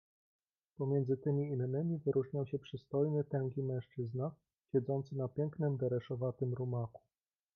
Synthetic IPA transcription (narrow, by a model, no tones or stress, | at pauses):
pɔmʲjɛnzɘt̪ɘmʲiːnːɘmʲivɘɾʔuʐɲawɕɛpʂɘst̪ɔjnɘt̪ɛŋkʲimɛ̃ʂt͡ʂɘzna | ɕɛd̪zɔnt̪sɘnapʲjɛŋknɘmd̪ɛɾɛʂɔvat̪ɘmɾumaku̥